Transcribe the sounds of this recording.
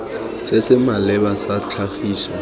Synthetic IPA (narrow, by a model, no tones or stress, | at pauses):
sɪsɪmalɛbasat͡ɬʰaxiːsa